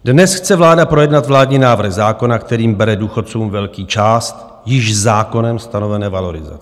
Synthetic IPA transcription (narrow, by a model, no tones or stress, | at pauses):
dnɛsxt͡sɛvlaːdapɾo̞jɛdnat̪vlaːdɲiːnaːvr̩ɣzaːko̞nakt̪ɛɾiːmbɛɾɛduːxot̪̚t͡suːmvɛlkiːt͡ʃaːst̪ | jɪʃzaːko̞nɛmst̪ano̞vɛnɛːvalo̞ɾɪza̰t͡sɛ